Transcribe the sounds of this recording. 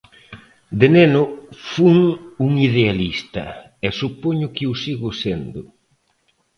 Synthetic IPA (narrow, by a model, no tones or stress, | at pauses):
d̪enenʊfuŋuŋiðealist̪ɐ̰ | ɛsupoɲʊkeuwsiɣʊsend̪ʊ